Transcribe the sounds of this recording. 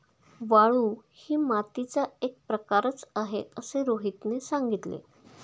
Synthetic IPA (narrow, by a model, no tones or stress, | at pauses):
ʋaɭuːhiːmat̪it͡saek̚pɾəkaɾət͡saɦeəseɾoɦit̪nesãŋɡit̪lḛ